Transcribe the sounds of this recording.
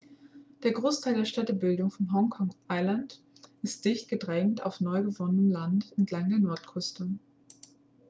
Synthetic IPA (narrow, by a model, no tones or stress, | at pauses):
d̥eːɐɡʁoːstʰaɪldeːɐʃtɛtəbɪldʊŋfɔnɦɔŋkʰɔŋʔaɪlant | ɪstd̥ɪçt̚ɡ̥ədʁɛŋŋ̩ta̰ʊfnɔʏɡəvɔnənəmlantɛntʰlaŋdeːɐnɔɐtkʰʏstə